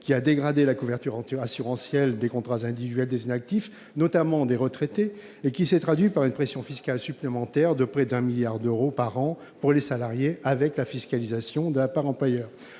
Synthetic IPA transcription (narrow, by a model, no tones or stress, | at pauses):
kʲiad̪eɡʁad̪elakuvɛʁt̪yʁɑ̃t̪yʁasyʁɑ̃sjɛld̪ekɔ̃t̪χazɛ̃d̪ivid̪ɥɛld̪ezinak̚t̪if | nɔt̪amɑ̃d̪eʁət̪χet̪e | ekʲisɛt̪χad̪ɥipaʁynpχesjɔ̃fiskʲalsyplemɑ̃t̪ɛʁd̪əpχɛd̪ɛ̃miljaʁd̪øʁopaʁɑ̃ | puʁlesalaʁjeʔavɛklafiskalizasjɔ̃d̪əlapaʁɑ̃plwajœːʁ